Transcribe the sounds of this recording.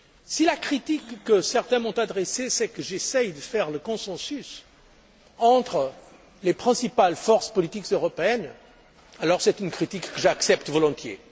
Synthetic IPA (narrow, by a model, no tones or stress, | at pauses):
silakχit̪ikːəsɛʁt̪ɛ̃mɔ̃t̪ad̪ʁesesɛkəʒesɛjd̪əfɛʁləkɔ̃sɑ̃sys | ɑ̃t̪χə | lepχɛ̃sipalfɔʁspɔlit̪ikzøʁɔpeɛn | alɔʁsɛt̪ynkχit̪ikːəʒaksɛpt̪vɔlɔ̃t̪jḛ